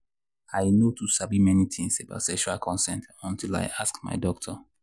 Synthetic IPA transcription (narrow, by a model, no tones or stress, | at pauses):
aɪnotusabimɛnit̪ʰĩŋseba̰ʊtsɛkʃualkʰɔ̃nsɛ̃ntɔ̃ntila̰ɪʔaskma̰ɪdɔk̚tʰɔ